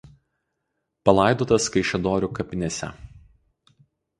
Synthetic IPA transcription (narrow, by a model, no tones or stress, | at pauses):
pɐlˠɐˑɪd̪oːt̪ɐskɐɪʃʲɛd̪oːɾʲukɐpʲɪnʲɛsʲɛ̰